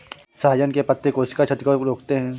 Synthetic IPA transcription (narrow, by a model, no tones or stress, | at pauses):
sɐɦaːjənkepɐt̪ːekoɪskat͡ʃʰɐt̪kəɾoːkt̪eɦɛ̃ː